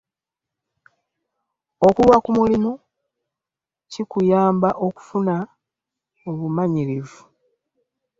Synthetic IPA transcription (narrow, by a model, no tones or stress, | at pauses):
o̞kuβakumulino | cikujaːmbaʔo̞ku̥funa | oβumaɲiɾivu